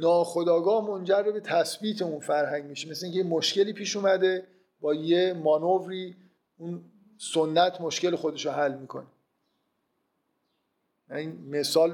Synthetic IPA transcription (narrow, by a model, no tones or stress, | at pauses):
nɒːxo̞d̪ɒːɡɒːhmo̞nd͡ʒærːebe̞t̪ʰæsbiːt̪ʰeunfæɾɦæŋɟmiːʃemesleiŋcʰejemoʃce̞liːpʰiːʃuːmæd̪e̞ | bɒːjemɒnovɾiː | un | sonːæt̪ʰmoʃce̞lexo̞d̪e̞ʃoɦælːmiːkʰo̞̰ne̥ | æiːnmesɒːl